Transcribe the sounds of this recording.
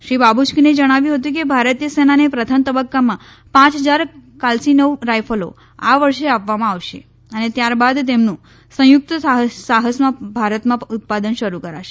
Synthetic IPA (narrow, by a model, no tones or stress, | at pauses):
ʃɾibabut͡ʃkined͡ʒəɽ̃aʋjũɦət̪ũkebʱaɾət̪ijəsenanepɾət̪ʰəmt̪əbəkːamã | pãt͡ʃɦəd͡ʒaɾkalsinəʋɾajfəlo̰ | aʋəɾʃeapʋamãaʋʃe | ənet̪jaɾbad̪t̪emnũ | sə̃jʊk̚t̪əsaɦəsmãbʱaɾət̪mãʊt̪̚pad̪ənʃəɾukəɾaʃe